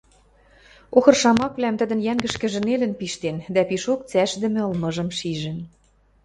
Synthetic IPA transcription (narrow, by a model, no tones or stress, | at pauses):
oxɤ̆rʃɑmɑkβlæmt̪ə̆d̪ə̆njæŋɡə̆ʃkɘ̆ʒɘ̆nelə̆npiʃt̪end̪æpiʃok̚t͡sæʃd̪ɘ̆mĕɤ̆lmɤ̆ʒɤ̆mʃiʒɘ̆n